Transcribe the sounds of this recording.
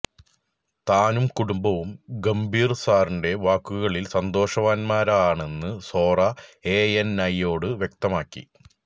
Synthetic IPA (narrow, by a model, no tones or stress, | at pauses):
t̪aːnumkuɽumbɐʋumɡɐmbʱiːrsaːrinɖe̞ʋaːkːuɣɐɭilsɐnd̪o̞ːʂɐʋaːnmaːɾaaːɳe̞nːɨso̞ːrɐeːenɐjːo̞ːɽɨʋjek̚t̪ɐmaːkːḭ